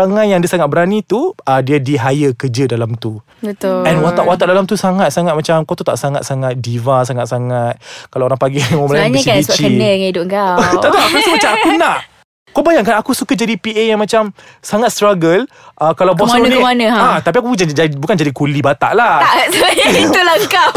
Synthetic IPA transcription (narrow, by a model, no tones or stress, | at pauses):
aŋãjaŋdiasaŋat̪̚bəɾanit̪uədiadiɦajəkəd͡ʒədalamt̪u | bət̪ʊɛnwat̪aʔwat̪aʔdalamt̪usaŋat̪̚saŋat̪̚mat͡ʃamkot̪ut̪a̰ʔsaŋat̪̚saŋat̪̚divasaŋat̪̚saŋat̪̚kalaɾaŋpaɡimɔbəlaɲəaist͡ʃikəə̃ŋaidʊɡaaiapat̪umat͡ʃamakunaʔ | kabajaŋkanakusukad͡ʒadipiʔejaŋmat͡ʃam | saŋat̪̚st̪ɾaɡəl | ʔəkalawbasunianə̃at̪apiakuabukand͡ʒadikulibat̪a̰ʔlaaiulaka